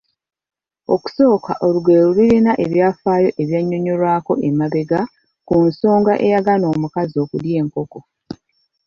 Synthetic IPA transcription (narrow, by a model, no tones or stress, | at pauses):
o̞̰ku̥so̞ːka̰ʔoluɡe̞ːɾuliɾinaʔe̞βjaːfaːjo̞ʔeβjaɲːo̞ɲo̞ɾwaːko̞ʔe̞maβe̞ɡa | kunso̞ːŋɡaʔe̞jaɡano̞ːmukazo̞ːkulje̞ːŋko̞ko̞